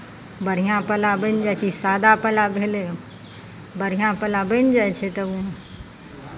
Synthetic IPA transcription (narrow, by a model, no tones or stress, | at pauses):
bəɾ̤ijãpəlabənd͡ʒat͡ʃʰisaːd̪apəlabʱeːle | bəɾ̤ijãpəlabənd͡ʒaɛt͡ʃʰet̪əũ